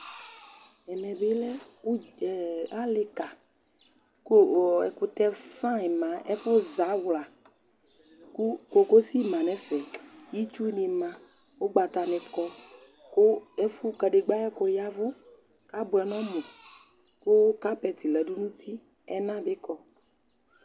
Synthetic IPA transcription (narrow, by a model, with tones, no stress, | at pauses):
ɛ˨mɛ̃˨be˦lɛ˦ | o˦˨ | a˦le˨ka˨ | ko˦˨ɛ̰˨ko˨t̪ɛ˦fã˦ɛ˨mã˨˦ɛ˦fo˦za˨˦wla˨ | kko˨ko˦si˦mã˨nɛ̃˨˦fɛ˨ji˦t͡ʃu˦ne˨mã˨ | wo˦ɡ͡ba˨t̪a˨nɛ̃˨kɔ˦ | ko˦e˦fu˦kɛ˨ɖe˨ɡ͡ba˦ɛ˦ko˨˦ja˦vo˦ | ka˦bo˨ɛ˨nɔ̃˦mõ˨ | ko˦wo˦ka˦pɛ˨t̪i˨lɛ˨ɖu˦nũ˦t̪ʰi˦ | ɛ̰˦nã˦be˦kɔ˦